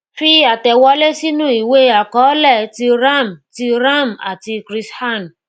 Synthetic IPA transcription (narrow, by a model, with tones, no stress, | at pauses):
fi˦a˨tɛ˨wɔ˧˦le˦si˦nũ˦i˨we˦a˨kɔ˨˦lɛ˦˨ti˧ɾa˦˨m˨ti˧ɾa˦˨ma̰˨ti˧kɾi˦sha˦˨n˨